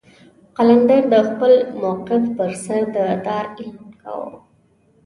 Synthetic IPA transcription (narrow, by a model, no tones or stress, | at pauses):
qaland̪aɾd̪əxpəlmoqɪfpəɾsaɾd̪əd̪ɑɾɪlmka̰wo̰